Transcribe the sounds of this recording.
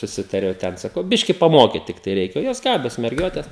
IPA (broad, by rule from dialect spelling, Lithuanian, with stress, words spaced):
sʊˈsʲɪtɐrʲɛʊ ˈtʲɛn sɐˈkɐʊ ˈbʲɪʃʲkʲɪ pɐˈmoːkʲiːt ˈtʲɪktɐɪ ˈrʲɛɪkʲɛ ˈjoːs ˈɡɑːbʲoːs mʲɛrʲˈɡʲoːtʲɛs